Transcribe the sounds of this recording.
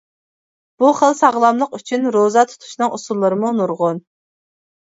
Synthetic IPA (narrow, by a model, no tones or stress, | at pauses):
b̥uχəlˠsɑʁlˠɑmlˠəqyt͡ʃʰynɾozɑt̪ʰu̥t̪ʰu̥ʃnɨŋusulˠːəɾɨmunuɾʁʊn